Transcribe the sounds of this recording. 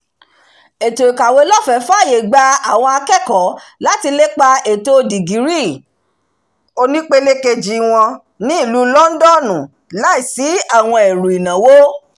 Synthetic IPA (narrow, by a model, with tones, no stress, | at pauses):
e˨to˨i˨ka˨we˨˦lɔ˦˨fɛ˨˦fa˦˨je˨ɡ͡ba˧a˦˨w̃ɔ̃˧a˧kɛ˦˨kɔ˨˦la˨˦ti˧le˦k͡pa˧e˨to˧di˨ɡi˨˦ɾi˦˨ | o˧nĩ˦k͡pe˦le˦ke˧d͡ʒi˦w̃ɔ̃˧ | nĩ˦i˦˨lu˨˦lɔ˦n̩˦dɔ˦˨nũ˨ | la˨˦i˦˨si˨˦a˦˨w̃ɔ̃˧e˨ɾu˨i˨nã˨wo˦